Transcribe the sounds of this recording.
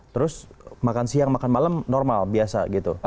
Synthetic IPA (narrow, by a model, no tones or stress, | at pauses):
t̪əɾʊsmakansiaŋmakanmalamnɔrmalbiasa̰ɡit̪u